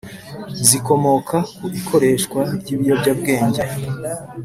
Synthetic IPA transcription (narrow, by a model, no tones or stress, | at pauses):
ziko̞mo̞kʰakuʔikʰo̞ɾe̞ʃkwaɾɟiːβijobɟabɡe̞ːɲɟe